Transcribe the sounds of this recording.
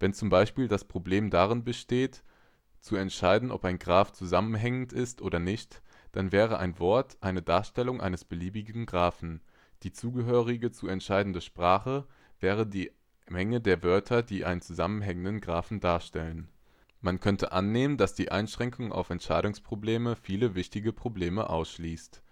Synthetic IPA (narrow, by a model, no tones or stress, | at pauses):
vɛnt͡sʊmbaɪʃpiːldaspʁ̥obleːmdaʁɪnbəʃteːt | t͡suɛntʃaɪdn̩ʔɔ̰paɪnɡʁaːft͡suzamənɦɛŋən̩tɪstʔoːɾɐnɪçt | d̥anvɛːʁ̞əʔa̰ɪnvɔɐtʔaɪnədaːɐʃtɛlʊŋʔa̰ɪnəsb̥əliːbɪɡŋ̩ɡʁaːfn̩ | d̥iːt͡suːɡəɦøːʁ̞ɪɡət͡suɛntʃaɪdn̩dəʃpʁ̥aːχə | vɛːʁ̞ədiː | mɛŋədeːɐvœɐtʰɐdiːʔa̰ɪnənt͡suzamənɦɛŋəndənɡʁaːfn̩daːɐʃtɛlən | mankʰœntʰəʔanːeːməndasd̥iːʔaɪnʃʁ̥ɛŋkʰʊŋa̰ʊfɛntʃaɪɾʊŋspʁ̥obleːməfiːləvɪçtɪɡəpʁ̥obleːməʔa̰ʊsʃliːst